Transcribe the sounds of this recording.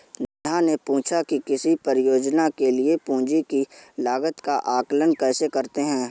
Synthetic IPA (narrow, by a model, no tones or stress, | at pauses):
nãnepũːt͡ʃʰakikɪsipəɾjoːd͡ʒnakeliepũːd͡ʒikilaːɡət̪kaʔaːklənkɛːsekɐɾt̪eɦɛ̃ː